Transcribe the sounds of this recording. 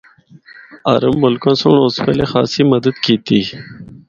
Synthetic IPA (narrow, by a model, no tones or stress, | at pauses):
a̰ːɾəmːʊlkãːsoɳoːspeːlexa̰ːsiːməd̪əd̪kiːt̪iː